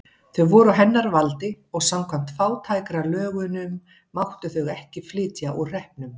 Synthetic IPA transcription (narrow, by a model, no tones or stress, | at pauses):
θœɣvɔɾʏaɦɛnːaɾvalt̪ɪ | ɔɣsamkʰvam̥t̪faːwt̪ʰaːjkɾalœːɣʏnʏmː | awht̪ʏθœɣɛhcɪflɪːt̪jaʔɔr̥ɛhpnʏm